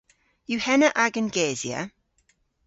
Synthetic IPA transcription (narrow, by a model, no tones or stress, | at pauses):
juhɛnəʔaɡənɡeːziə̰